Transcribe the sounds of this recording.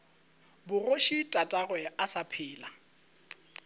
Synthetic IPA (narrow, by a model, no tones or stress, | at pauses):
bʊroʃitʼatʼaɣwɛasapʰɪːla